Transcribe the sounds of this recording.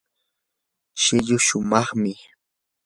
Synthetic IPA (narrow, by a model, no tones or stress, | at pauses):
ʃɪʎʊʃʊmɑχmɪ